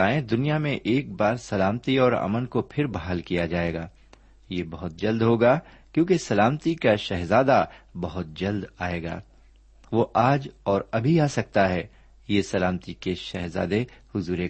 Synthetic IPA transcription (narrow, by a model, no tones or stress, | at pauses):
aːẽd̪ʊnijamẽʔeːk̚baːɾsɐlaːmt̪iɔːɾɐ̰mənkopʰɪɾbɐɦaːlkijad͡ʒaːeːɡaː | jeːbɐɦʊt̪̚d͡ʒɐld̪ɦoːɡaː | kjõːkesɐlaːmt̪ikaʃɛɦzaːd̪abɐɦʊt̪̚d͡ʒɐld̪aːeːɡa̰ː | ʋoʔaːd͡ʒɔːɾɐbʱiaːsɐk̚t̪aɦɛː | jesɐlaːmt̪ikeʃɛɦza̰ːd̪ehʊzuːɾe